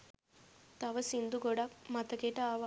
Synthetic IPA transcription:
t̪ɐʋɐsind̪uɡoɽakmɐt̪ɐkeʈɐːʋ

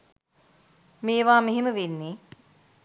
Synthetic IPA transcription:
meːʋaːmeɦiməʋenːe

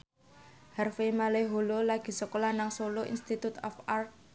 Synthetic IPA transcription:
harfemaleɦololaɡ̥i̤səkolanaŋsoloʔḭnst̪it̪ut̪ɔ̰fart̚

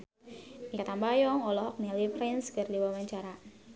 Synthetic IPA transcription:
iat̪ambajɔŋɔlɔɦɔk̚nilipɾɛnskərdiwawaɲt͡ʃaɾa

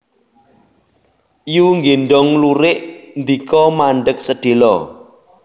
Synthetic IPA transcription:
ijuŋɡeɳɖɔŋluɾɪʔnd̪ikɔmaɳɖək̚səd̪̥e̤lɔ

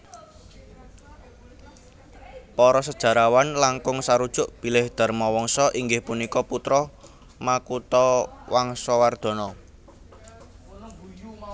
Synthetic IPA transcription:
pɔɾɔsəd̥ʒ̥ä̤ɾawanlaŋkʊŋsaɾud̥ʒ̥ʊ̤ʔb̥i̤lɪhd̪̥a̤rmɔwɔŋsɔʔiŋɡɪhpunikɔput̪ɾɔ | makut̪ɔwaŋsɔward̪̥ɔ̤nɔ

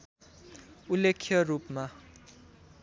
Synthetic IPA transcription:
ulekʰːjʌrupma

